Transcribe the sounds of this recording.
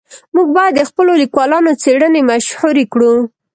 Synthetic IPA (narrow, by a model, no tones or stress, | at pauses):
muɡ̚bɑjad̪ːəxpəlolikwɑlɑnot͡seɽənemaʃhuɾekɽu